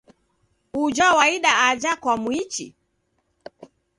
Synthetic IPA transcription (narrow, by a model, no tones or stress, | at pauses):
ud͡ʒawaiɗaad͡ʒakwamwit͡ʃḭ